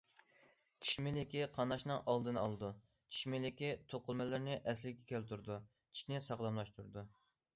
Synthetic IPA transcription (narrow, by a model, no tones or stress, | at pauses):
t͡ʃʰi̥ʃmɪlɪkʲiqʰɑnɑʃnɨŋʔɑlˠd̪ɨnɑ̰lˠɨd̪u | t͡ʃʰi̥ʃmɪlɪkʲit̪ʰoqʊlˠmɛlɪɾnɪʔɛslɪkʲɛ̥kʲælt̪uɾɨd̪u | t͡ʃʰi̥ʃnɪsɑʁlˠɑmlˠɑʃt̪uɾɨd̪u